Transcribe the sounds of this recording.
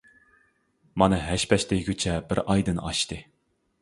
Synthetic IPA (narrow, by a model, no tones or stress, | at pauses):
mɑnɨɦæʃpʰɛʃt̪eɡʲyt͡ʃʰɛbɪɾɑjd̪ɨnɑʃt̪ɨ